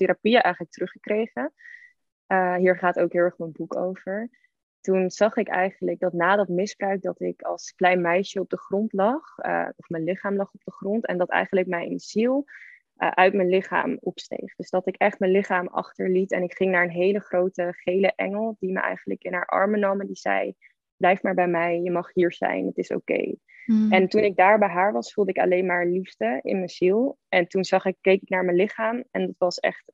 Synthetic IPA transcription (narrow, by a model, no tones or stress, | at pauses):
tɪɾapijəʔɛjχənlək̚tərɵχəkrejχə | əɦiːɹχaːtowkɦɪːlˠɛɹχmənbuko̰wv̥əɹ | tunz̥ɑχɪkɛ̰jχənlək̚dɑtnaːdɑtmɪzb̥rœɥk̚dɑtɪkɑlˠsklɛjnmɛjʃəɔb̚dəχrɔntlɑχɔfmənlɪχaːmlɑχɔb̚dəχrɔntɛ̰ndɑtɛ̰jχənləkmɛjnz̥ilˠ | ʔʔœɥtmənlɪχa̰ːmɔpstḛjχd̥ɵzdɑtɪkɛχtmənlɪχaːmɑ̰χtəɹlitɛnɪkχɪŋnaːɹənɦejləχrowtəχejləʔɛ̰ŋəlˠdimə̰ʔɛ̰jχənləkɪnɦaːɹʔɑ̰ɹmənomədiz̥ɛ̰j | b̥lɛjftmaːɹbɛjmɛjjəmɑχɦiːɹz̥ɛ̰jnətɪso̰wkḛj | ɛntunɪɡ̚daːɹbɛjɦaːɹʋɑsfulˠdəɪkɑ̰lejnmaːɹliftəɪ̰nmənz̥ilˠɛntunz̥ɑχɪkːejkɪknaːɹmənlɪχaːmɛndɑtʋɑsɛ̰χt